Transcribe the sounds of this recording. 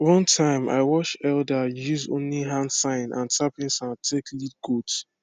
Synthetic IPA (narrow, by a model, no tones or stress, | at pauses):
wɔ̃ntʰãɪ̃ma̰ɪwɔt͡ʃɛldajuzõ̰nliɦãndsãɪ̃nã̰ntapĩnsãntʰeklid̚ɡots